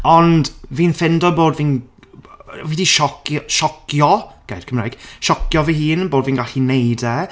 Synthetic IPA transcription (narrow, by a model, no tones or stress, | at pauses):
ɔndviːnfɪndɔboːdviːn | vidiʃɔkjʃɔkjɔɡ̥a̰jd̥kʰəmrajɡ̥ʃɔkjɔvihiːnboːdviːnɡaɬinejdɛ